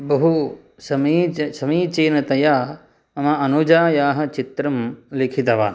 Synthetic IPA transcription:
bɐɦu | sɐmiːsɐmiːt͡ʃeːnɐt̪ɐjaː | ɐmɐɐnud͡ʒaːjaːɦɐ̆t͡ʃit̪ɾɐmlikʰit̪ɐʋaː

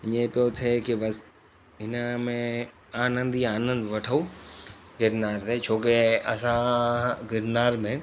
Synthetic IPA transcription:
ɪ̃ẽpijot̪ʰekibɐs | ɦɪnəmẽ | aːnə̃nd̪iaːnə̃nd̪ʋɐʈʰau | ɡɪɾnaːɾt̪ʰet͡ʃʰoːkeɐsãɡɪɾnaːɾmẽ

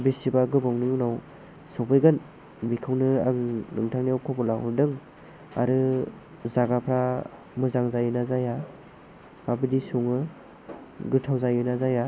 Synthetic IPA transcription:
besibaɡɯbawŋnɯjunaw | sɔpɯjɡɯn | bikʰɯwnɯa̰ŋnɯŋtʰaŋniawkʰɔpɔla̰w̰dɯŋ | a̰ɾɯ | zaɡapʰɾa | mɯzaŋzajɯnazaja | abɯdisuŋɯ | ɡɯtʰawzajɯnazaja

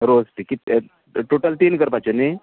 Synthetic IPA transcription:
ɾod͡zʈikit̪ | ʈoʈəlʈinkəɾpat͡ɕoni

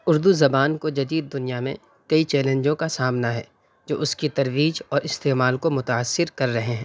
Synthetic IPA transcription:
ʊɾd̪uzɐbaːnkod͡ʒɐd̪iːd̪̚ːʊnijamḛ̃ | kɐit͡ʃɛːlẽːɲd͡ʒõkasaːmnaɦɛ̰ː | d͡ʒo̰ːʊskit̪ɐɾʋiːd͡ʒɔːɾɪst̪eːmaːlkomʊt̪aːsːɪɾkɐɾːɐɦeɦɛ̃ː

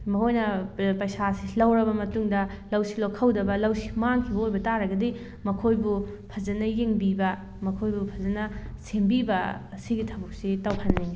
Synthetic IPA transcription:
mɐhojnɐpɐjsasilɐwɾɐbɐmɐtuŋdɐlɐwsilokʰɐwdɐbɐlɐwsi̥maŋkʰiojbɐtaɾɐɡɐdi | mɐkʰojbu | pʰɐzɐnɐjeŋbibɐ | mɐkʰojbupʰɐzɐnɐsembibɐːsiɡitʰɐbuk̚sitɐwhɐnːiŋɡi

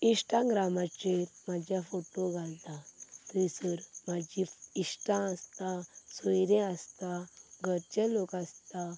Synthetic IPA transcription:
iʂʈãɡɾamat͡ɕeɾmad͡ʑjafoʈoɡʱalt̪at̪əisəɾm̤ad͡ʑiiʂʈãəst̪ãsəjɾẽəst̪aɡʱəɾt͡ɕelokast̪a

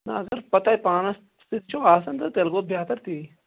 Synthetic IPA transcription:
nɐɐɡɐɾpɐt̪aipaːnɐs | st̪it̪t͡ʃʰoːaːsɐnt̪ɐt̪elɡobʱjaːt̪ɐɾt̪iː

